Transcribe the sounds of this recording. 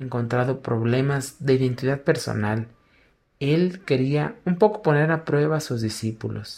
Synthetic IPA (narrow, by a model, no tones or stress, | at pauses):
eŋko̞nt̪ɾaðo̞pɾo̞βle̞mazðeiðe̞nt̪iðaðpe̞ɾso̞̰nal | e̞lke̞ɾiaumpo̞ko̥po̞ne̞ɾapɾwe̞βaːsuzðisipulʔo̰s